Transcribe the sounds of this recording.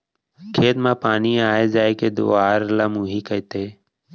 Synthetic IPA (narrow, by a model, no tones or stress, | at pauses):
kʰeːt̪mãːpaːniːaːeːd͡ʒaːeːkeːd̪o̰ːaːɾlaːmuːɦiːkəit̪eː